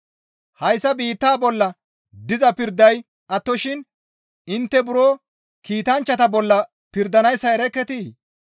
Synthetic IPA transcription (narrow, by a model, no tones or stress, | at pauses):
hɐjsːɐbiːt̪ːaːbɔlːɐ | d̪ɪzɐpɪɾd̪ɐj | ʔɐt̪ːɔʃɪn | ɪnt̪ːɛbʊɾoː | kiːt̪ɐnt͡ʃːɐt̪ɐbɔlːɐ | pɪɾd̪ɐnɐjsːɐɛɾɛkːɛt̪iː